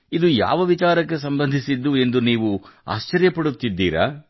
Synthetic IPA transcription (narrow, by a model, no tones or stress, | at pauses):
id̪uja̰ːʋɐʋit͡ʃaːɾɐkːe̞s̬ɐmbɐnd̪ʱisid̪ːue̞nd̪uniːʋua̰ːʃt͡ʃːɐɾjɐpɐɽut̪ːid̪ːiːɾa̰ː